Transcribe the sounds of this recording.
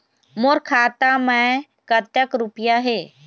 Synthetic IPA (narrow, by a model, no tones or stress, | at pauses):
moɾkʰaːt̪amɛ̃ | kət̪jəkɾʊpjaɦeː